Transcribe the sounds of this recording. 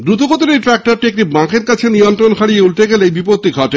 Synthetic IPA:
d̪ɾut̪oɡot̪oɾeʈɾɛk̚ʈaɾʈiek̚ʈibãkʰeɾkat͡ɕʰenijont̪ɾonkʰaɽijeulʈeɡeleejbipoɾt̪ːiɡʱɔʈe

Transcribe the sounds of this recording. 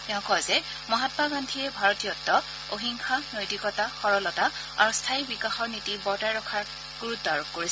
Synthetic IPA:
tɛʊ̃kɔzɛ | mɔɦatbaɡandʱijɛbʱaɹɔtijɔtːɔ | oɦiŋkʰanojtikɔtaxɔɹɔlɔta | a̰ɹustʰaibikaxɔɹnitibɔɹtajɹɔkʰaɹ | ɡ̥uɹutːɔaɹop̚koɹis

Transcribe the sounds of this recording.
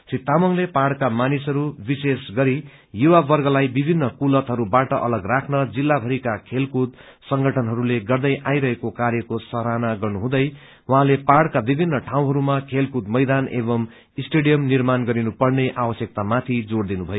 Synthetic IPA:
sit̪ːamʌŋlepaɽkamanisʌɾubisesɡʌɾi | juwabʌrɡʌlajbibʱinːʌkulʌt̪ɦʌɾubaʈʌʔʌlʌɡrakʰnʌd͡zilːabʱʌɾikakʰelkud̪̚ | sʌŋɡʱʌʈʰʌnɦʌɾuleɡʌrd̪ʌjʔajɾʌɦekokaɾjʌkosʌɾanaɡʌrnuɦũd̪ʌj | wʌɦãlepaɽkabibʱinːʌʈʰaw̃ɦʌɾumakʰelkud̪mʌjd̪anebʌm | isʈeɽijʌmnirmanɡʌɾinupʌrneʔawʌsjʌk̚t̪amat̪ʰid͡zoɽd̪inubʱʌjo

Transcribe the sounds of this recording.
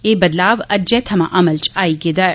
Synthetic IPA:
eːbɐd̪laːʋɐd͡ʒet̪ʰɐmaʔɐmɐlt͡ʃʰaːiɡed̪ɐɾ

